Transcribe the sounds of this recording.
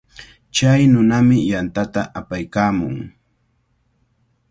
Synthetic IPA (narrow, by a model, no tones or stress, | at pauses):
t͡ʃajnʊnamɪjant̪at̪aʔapajkaːmʊŋ